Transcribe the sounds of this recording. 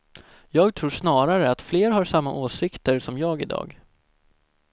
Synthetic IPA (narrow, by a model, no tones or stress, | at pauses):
jɑːɡ̚t̪ʰɾuːʂnɑːɾaɾəat̪fleːɾɦaʂamːaʔoːsɪkt̪əɾsɔmjɑːɡɪd̪ɑ̰ːɡ